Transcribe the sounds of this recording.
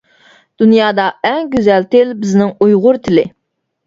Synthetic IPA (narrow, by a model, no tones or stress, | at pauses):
d̪̥unjɑːd̪ɑɛŋɡʲyzɛlt̪ɪlbɪznɪŋujʁʊɾt̪ʰɪlɪ